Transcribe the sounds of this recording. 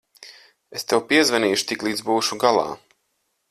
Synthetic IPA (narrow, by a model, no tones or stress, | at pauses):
est̪ewpiɛzvaniːʃu̥t̪iklˠiːd̪zbuːʃuɡalˠa̰ː